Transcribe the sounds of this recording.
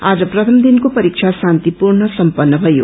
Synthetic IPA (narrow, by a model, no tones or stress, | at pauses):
ad͡zʌprʌt̪ʰʌmd̪inkopʌɾik̚t͡ʃʰasant̪ipuɾɳʌsʌmpʌnːʌbʱʌjo̰